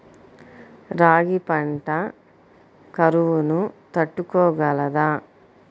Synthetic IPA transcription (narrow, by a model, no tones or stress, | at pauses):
ɾaːɡipɐɳʈɐ | kɐɾuʋunut̪ɐʈːukɔːɡɐlɐd̪aː